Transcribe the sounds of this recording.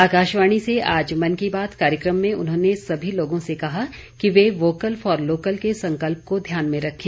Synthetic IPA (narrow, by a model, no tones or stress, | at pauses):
aːkaːʃʋaːɽ̃iseaːd͡ʒmɐnkibaːt̪kaːɾjəkɾəmːẽʔʊ̰nɦõnesɐbʱiloːɡõsekɐɦa | kiʋeʋoːkəlfɔːɾloːkəlkesɐ̃ŋkəlp̚kod̪ʱjaːnmẽɾɐkʰːẽː